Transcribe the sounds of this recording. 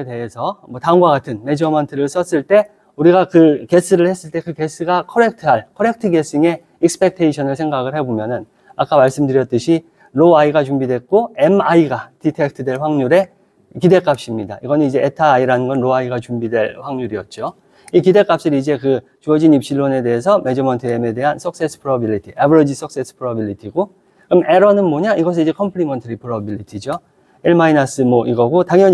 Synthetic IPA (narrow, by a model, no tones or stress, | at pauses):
ede̞ɦesʰʌmwʌtaɯŋɡwaɡatʰɯnme̞d͡ʑʌmʌntʰɯɾɯɭs͈ʌs͈ɯɭt͈e̞ | uɾiɡakɯke̞s͈ʰɯɾɯɭhe̞s͈ɯɭt͈e̞kɯke̞s͈ʰɯɡakʰʌɾe̞k̚tʰɯɦaɭkʰʌɾe̞k̚tʰɯɡe̞s͈iŋe̞ | ik̚sɯ̥pʰe̞k̚tʰeiɕʰʌnɯɭsʰe̞ŋɡaɡɯɭhe̞bomjʌnɯn | ak͈amaɭs͈ɯmdɯɾjʌt͈ɯɕʰi | ɾoaiɡat͡ɕumbidwe̞k̚k͈oe̞maiɡatitʰek̚tʰɯdwe̞ɭɸwaŋɲuɾe̞ | kide̞k͈ap̚ɕ͈imɲida̰iɡʌnɯnid͡ʑe̞etʰaaiɾanɯnɡʌnɾoaiɡat͡ɕumbidwe̞ɭɸwaŋɲuɾiʌt̚t͡ɕ͈o | ikide̞k͈ap̚ɕ͈ɯɾid͡ʑe̞kɯ | t͡ɕuʌd͡ʑinip̚ɕ͈iɭːone̞de̞ɦes̬ʰʌme̞d͡ʑʌmʌntʰɯeme̞de̞ɦansʰʌk̚s͈e̞s͈ʰɯ̥pʰɯɾʌbilːitʰiʔebʌɾʌd͡ʑis͈ʌk̚s͈es͈ʰɯ̥pʰɯɾʌbilːitʰiɡo | kɯɾʌmeɾʌnɯnmoɲaiɡʌs̬ʰid͡ʑe̞kʰʌmpʰɭimʌntʰɯɾipʰɯɾʌbiʎːitʰid͡ʑo | eɭmainas͈ɯmoʔiɡʌɡotaŋjʌ